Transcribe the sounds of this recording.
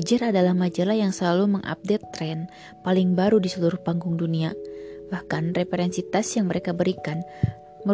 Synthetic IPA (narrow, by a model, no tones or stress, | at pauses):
d͡ʒəɾadalahmad͡ʒəlajaŋsəlaluməŋʔa̰p̚dɛt̪ːɾɛn | palɪŋbaɾudisəluɾʊhpaŋɡʊŋduniabahkanrefeɾɛnsit̪asjaŋməɾekabəɾikan | mə